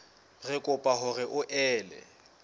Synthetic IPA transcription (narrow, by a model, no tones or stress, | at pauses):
rɪkʼʊpʼaɦʊɣɪʔʊʔɛːlɛ̰